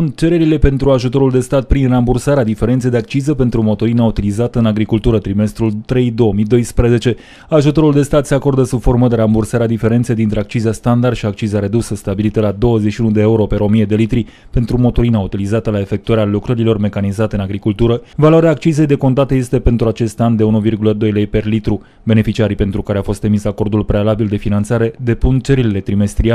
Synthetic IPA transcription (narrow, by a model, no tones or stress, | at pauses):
sunt̪̚t͡ʃe̞ɾe̞ɾile̞pe̞nt̪ɾuaʒut̪o̞ɾuld̪e̞st̪at̪̚pɾinrambursaɾead̪ife̞ɾent̪sejd̪e̞ak̚t͡ʃizəpe̞nt̪ɾumo̞t̪oɾinaut̪ilizat̪əɨnaɡɾikult̪uɾət̪ɾime̞st̪ɾult̪ɾe̞jd̪o̞omid̪o̞jspɾeze̞t͡ʃe̞ | aʒut̪o̞ɾuld̪e̞st̪at̪se̞ako̞rd̪əsub̥fo̞rməd̪e̞ɾambursaɾead̪ife̞ɾe̞nt̪se̞jd̪int̪ɾe̞akt͡ʃizeast̪and̪ard̪ʃiak̚t͡ʃizeaɾe̞d̪usəst̪abilit̪əlad̪o̞wəzeʃiunud̪e̞euɾo̞pe̞ɾo̞mije̞d̪e̞lit̪ɾi | pe̞nt̪ɾumo̞t̪oɾinaut̪ilizat̪əlae̞fe̞k̚t̪uaɾealukɾəɾilo̞rme̞kanizat̪eɨnaɡɾikult̪uɾəvaloaɾeaːkt͡ʃize̞jd̪e̞ko̞nt̪at̪əje̞st̪e̞pe̞nt̪ɾuat͡ʃe̞st̪and̪e̞unuvirɡuləd̪o̞jle̞jpe̞rlit̪ɾu | be̞ne̞fit͡ʃiaɾipe̞nt̪ɾukaɾeafo̞st̪ɾemisako̞rd̪ulpɾealabild̪e̞finant̪saɾe̞d̪e̞punt͡ʃeɾilele̞t̪ɾime̞st̪ɾia